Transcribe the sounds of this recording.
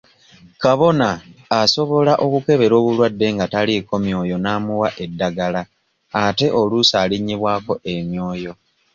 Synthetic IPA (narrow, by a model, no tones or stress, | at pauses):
kaβo̞naːso̞βo̞laʔo̞kuke̞βe̞ɾo̞ːβulwadːe̞ŋɡataliko̞mjo̞ːjo̞naːmuwaʔe̞dːaɡalaː | te̞ʔo̞lusaːliɲːiβwaːko̞ʔe̞mjo̞ːjo̞